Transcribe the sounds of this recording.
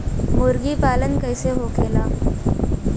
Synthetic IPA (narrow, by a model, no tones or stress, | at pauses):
moːɾɡiːpaːlənkəjseɦokeːlaː